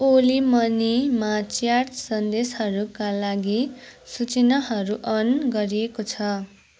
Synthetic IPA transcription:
olimʌnimat͡sjart̪sʌnd̪esɦʌɾukalaɡisut͡sinʌɦʌɾuʔʌnɡʌɾiekot͡sʰʌ

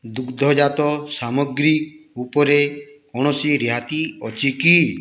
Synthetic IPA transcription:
d̪ukd̪ʱɔd͡ʒat̪ɔsamɔɡɾiupɔɾekɔɽ̃ɔsiɾiɦat̪iɔt͡ʃʰiki

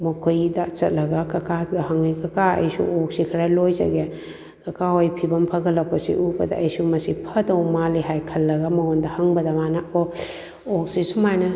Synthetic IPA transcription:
mɐkʰojdat͡ʃɐ̰t̚lɐɡakɐkadɐhɐŋikɐkaɐ̰jsṵʔok̚sikʰɾalojzɐ̰ɡe | kɐkaojpʰibɐmpʰɐɡɐlːɐpɐsḭʔubɐdɐ̰ɐjsumɐsipʰɐdowmaliɦajkʰɐlːɐɡɐmɐhondɐhɐŋbɐdɐmanɐɔ | ok̚sisumajnɐ

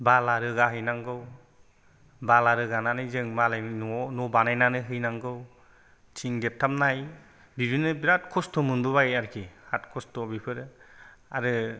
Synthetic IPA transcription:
balaɾɯɡaɦɯjnaŋɡɯw | balaɾɯɡananɯzɯŋmalajnɔnɔbanajnanɯɦɯjnaŋɡɯw | t͡ʃʰiŋdep̚tʰam̚naj | bibinɯbiɾatkʰɔstʰɔmɯndubajaɾkʰihatkʰɔstʰɔbipʰɯɾ | a̰ɾɯ

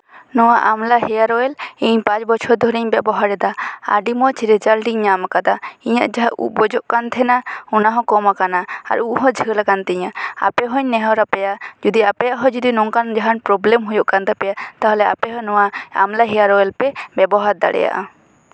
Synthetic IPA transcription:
nɔwaʔamlaɦɛjaɾɔɛliɲpãt͡ʃbɔt͡ʃʰɔɾd̪ʱɔɾiɲbɛbɔɦaɾɛd̪aa̰ɖimɔt͡ʃɾɛd͡ʒalʈiɲɲamakad̪aiɲa̰ʔd͡ʒaṵʔbɔd͡ʒɔʔkant̪ʰɛnaɔnaɦɔ̃kɔmakanaa̰ɾuʔɦɔ̃d͡ʒʱəlakant̪ɛɲaa̰pɛɦɔɲnɛɦɔɾapɛjad͡ʒud̪iapɛjaʔɦɔ̃d͡ʒud̪inɔŋkand͡ʒaɦanpɾɔblɛmɦujɔʔkant̪ʰapɛjat̪aɦɔlɛa̰pɛɦɔ̃nɔwaa̰mlaɦɛjaɾɔɛlpɛbɛbɔɦaɾd̪a̰ɽɛ̰ja̰ʔa

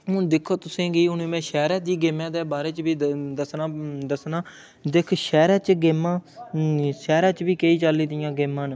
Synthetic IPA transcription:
ɦʊ̃d̪ɪkʰːoːt̪ʊsẽːɡiːʊnːmɛ̃ːʃɛːɾaːd͡ʒ̪iːɡeːmãːd̪eːbaːɾeːt͡ʃbiːd̪əsnaːd̪əsnaː | d̪ekʰʃɛːɾaːt͡ʃɡemãː | ʃɛːɾãːt͡ʃbiːkeːiːt͡ʃəlːiːd̪ɪjãːɡeːmːãːn

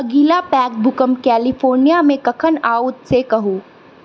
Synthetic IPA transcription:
ɐɡiːlapɛːkbʱʊkəmkɛːlɪfoːɾnijamẽkɐkʰənaːʊt̪sekɐɦuː

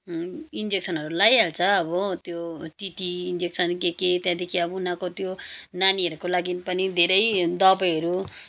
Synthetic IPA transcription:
ind͡zek̚sʰʌnɦʌɾulajalt͡sʰʌːbʌt̪jot̪it̪iːnd͡zek̚sʰʌnkeket̪jãd̪ekʰiʌbunãkot̪jonaniɦʌɾukolaɡinpʌnid̪ʱeɾʌjd̪ʌbʌjɦʌɾu

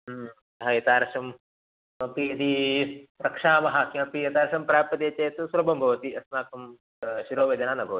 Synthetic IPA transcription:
ɐɦɐjɐt̪aːɾɐʂɐm | ɐpiɐd̪i | ɾɐkʂaːmɐɦakiɐpijɐt̪aːɾɐʃɐmpɾaːpːɐd̪et͡ʃɐjt̪usuɾɐbʱɐmbʱɐʋɐt̪iʔɐsnaːkʰɐm | ʃiɾoːʋed͡ʒɐnaːnɐbʱɐʋɐi

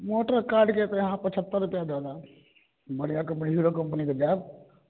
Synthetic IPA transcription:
moːʈəɾkaːɾɖket̪eɦãpət͡ʃʰət̪ːəɾupjad̪aːd̪a | bəɽijakɐmpəniɦuːɾokəmpəniked͡ʒ̪aːd̪

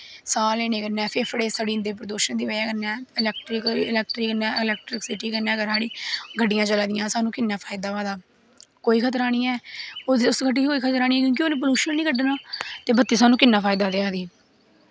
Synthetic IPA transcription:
saːlːeːneːkənːɛ̃ːpʰepʰɽeːsəɽiːnd̪eːp̬əɾəd̪oːʃənd̪iːʋəaːkənɛ̃ːɪlɛːk̚ʈɾɪkɪlɛːk̚ʈɾiːkənɛ̃ːɪlɛːk̚ʈɾɪksɪʈiːkənɛ̃ːɡəɾɦaːɽiːɡʱəɖːɪjãːt͡ʃəlaːd̪ɪjãːsaːnũːkɪnːaːpʰaːɪd̪aːʋaːd̪aː | koːiːkʰət̪əɾaːñiːɛːoʊsɡəɖiːikoːiːkʰət̪əɾaːnĩːɛːk̬jõːk̬ioːnẽːp̬əluːʃənnĩːɡəɖnaːt̪eːbət̪ːiːsaːnũːkɪnːaːpʰaːɪd̪aːd̪ejaːd̪iː

